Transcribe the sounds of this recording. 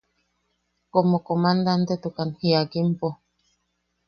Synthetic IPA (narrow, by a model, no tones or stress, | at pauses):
komokomand̪ant̪et̪ukanhiaɡimpo